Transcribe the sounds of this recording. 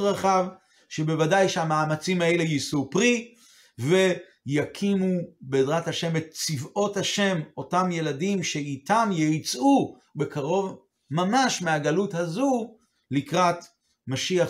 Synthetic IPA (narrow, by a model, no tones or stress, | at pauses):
ʁaχav | ʃe̞be̞vadajʃeamaːmat͡simaele̞jisupʁi | ve̞ | jakʰimubeːdʁathaʃe̞me̞t̚t͡sivo̞thaʃe̞mo̞tamje̞ladimʃeitamjejt͡su | bekaʁo̞v | mamaʃmeaɡaluthazu | likʁat | maʃiaχ